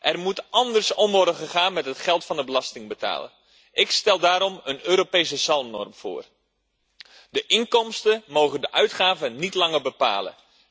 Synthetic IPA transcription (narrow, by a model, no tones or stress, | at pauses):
ʔɛrmutʔɑndərsɔmʋɔrdəχəχaːnmɛtətχɛlˠtfɑndəbəlɑstɪŋbəta̰ːlə̰ | ʔɪkstɛlˠdaːɾɔmənøːɾopeːsəsɑlˠmnɔ̰rmfo̰ːr | dəʔɪŋkɔmstəmoːɣəndəʔœɥtχaːvənitlɑŋərbəpa̰ːlə̰